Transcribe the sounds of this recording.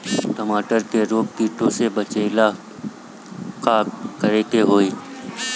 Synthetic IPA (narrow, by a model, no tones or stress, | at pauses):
ʈəmaːʈəɾkeɾoːk̚piːʈʰõsebət͡ʃeːɪla | kakəɾeːkeɦoːiː